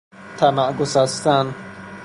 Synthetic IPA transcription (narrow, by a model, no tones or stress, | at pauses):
t̪ʰæmæɡosæst̪æn